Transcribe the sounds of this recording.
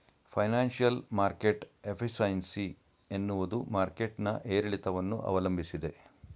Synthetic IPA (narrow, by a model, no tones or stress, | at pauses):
pʰɐjnaːnʂijɐlmaːɾkeʈepʰisɐjnsi | enːuʋud̪umaːɾke̞ʈnɐʔeːɾɐɭit̪ɐʋɐnːṵʔɐ̰ʋɐlɐmbʱisid̪e̞